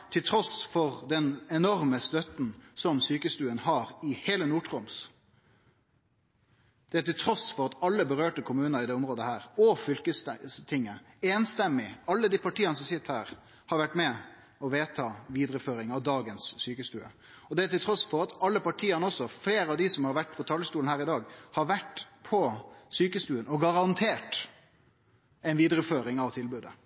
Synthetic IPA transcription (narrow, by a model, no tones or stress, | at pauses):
t̪ʰɪlt̪ʰɾɔsfɔʁd̪ɛnɛnɔɾməst̪œt̪n̩sɔmsyːkəst̪ʉːənhɑːɾɪheːlənuːʈʁʊms | d̪̥ɛæʈ̪ɪlt̪ʰɾɔsfɔɾɑt̪ɑlːəbəɾøːʈəkʰʊmʉːnəɾɪd̪ɛːʊmɾoːd̪əhæːɾɔfʏlkəsst̪ʰɪŋːə | eːnst̪ɛmːɪɑlːəd̪ipɑʈiːənəsɔmsɪt̪ːhæːʁ | hɑɾʋæʈːmɛ | ɔʋeːt̪ʰɑːʋiːd̪ɾəføːɾɪŋɑʋd̪ɑːɡənsːyːkəst̪ʉːə̰ | ɔd̪ɛæt̪ɪlt̪ʰɾɔsfɔʁɑt̪ɑlːəpɑʈʰiːənəɔsːɔfleːɾɑʋd̪ɪsɔmhɑɾʋæʈ̚ːpʰɔt̪ʰɑlːəst̪uːln̩hæːɾɪd̪ɑːɡhɑɾʋæʈpʰɔsyːkəst̪ʉːənɔɡɑɾɑnt̪ʰeːʈ | ɛɪnʋiːd̪ɾəføːɾɪŋɑʋt̪ʰɪlbʉːd̪ə